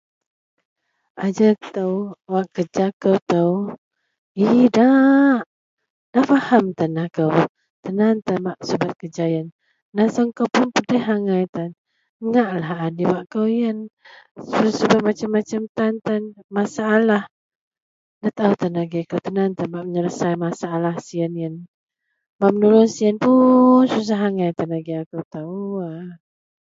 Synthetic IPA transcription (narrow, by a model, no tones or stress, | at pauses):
ʔad͡ʒət̪əwwaʔkəd͡ʒakəwt̪əw | idaʔ | dafahamt̪anakəw | t̪ənant̪abaʔsubat̪̚kəd͡ʒajənː | asəŋkowpʊnpədəɦaŋajt̪an | əŋaʔlahadiwaʔkəwjənssubat̪̚mat͡ʃamːat͡ʃamt̪ant̪anmasaːlah | dat̪aut̪anaɡiakəwt̪ənant̪anbaʔməɲəɾəsajmasaːlahsiənjən | baʔmənulʊnsiənpunsus̬aɦaŋajt̪anaɡiakəwt̪aua